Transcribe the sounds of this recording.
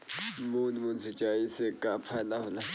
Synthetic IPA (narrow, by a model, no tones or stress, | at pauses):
munmunsʰi̥t͡ʃajisɛkʼapʰalaɦula